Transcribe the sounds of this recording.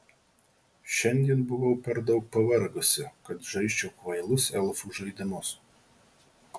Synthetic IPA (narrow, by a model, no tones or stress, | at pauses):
ʃʲɛnʲd̪ʲiɛnbʊʋoʊpʲɛɾd̪ɐʊk̚pɐʋɐɾɡʊsʲɪkɐt̪ʒɐɪʃʲt͡ʃʲoːkʋɐɪlˠʊsɛlˠfuʒɐɪd̪ʲɪmʊs